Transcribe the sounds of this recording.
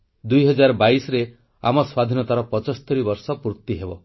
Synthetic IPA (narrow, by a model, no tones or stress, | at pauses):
d̪ujɦɔd͡ʒaɾɔbaisɔɾe | a̰mɔswad̪ʱinɔt̪aɾɔpɔt͡ʃɔst̪eɾibɔɾsɔpuɾt̪ːiɦebɔ